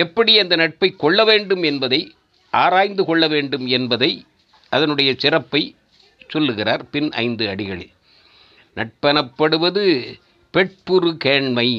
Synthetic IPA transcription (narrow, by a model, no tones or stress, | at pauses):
ɛpːɐɽɪɐnd̪ɐnɐʈ̚pɐɪkːɔɭːɐʋeːɳɖɯmɛnbɐðɐɪ | ʔaːɾaːjnd̪ɯkɔɭːɐʋeːɳɖɯmɛnbɐðɐɪ | ʔɐðɐnɯɽɐjɐsɪrɐpːɐɪ | sɔlːɯɣɪraːɾpɪnɐ̰ɪnd̪ɯɐɽɪɣɐɭɪ̰l | nɐʈ̚pɐnɐpːɐɽɯʋɐðɯ | pɛʈ̚pɯɾɯkeːɳmɐɪ